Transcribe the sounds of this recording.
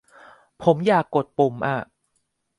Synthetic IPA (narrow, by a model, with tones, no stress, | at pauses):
pʰo˩˦mjaː˨˩kːo˨˩t̪̚po˨˩mʔa˧˩